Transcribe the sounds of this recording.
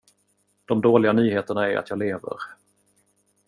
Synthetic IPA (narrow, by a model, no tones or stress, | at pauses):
d̪̥ɔmd̪oːlɪɡanyːɦeːt̪əɳaæɾa̰t̪jɑːleːvə̰ɾ